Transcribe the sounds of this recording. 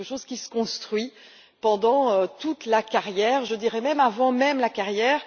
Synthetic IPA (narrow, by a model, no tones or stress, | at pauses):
əʃozkʲisə̥kɔ̃st̪χɥi | pɑ̃d̪ɑ̃øt̪ut̪lakaʁjɛːʁʒəd̪iʁɛmɛmavɑ̃mɛmlakaʁjɛːʁ